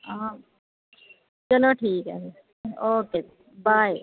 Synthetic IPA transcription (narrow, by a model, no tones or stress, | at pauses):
a | t͡ʃɐlõʈʰiːkɛ̰n | oːkeː | baːj